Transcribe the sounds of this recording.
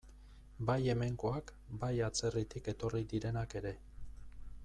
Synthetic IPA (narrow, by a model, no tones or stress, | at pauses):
baje̞me̞ŋko̞ak | bajat͡se̞rit̪ike̞t̪o̞rid̪iɾe̞nake̞ɾe̞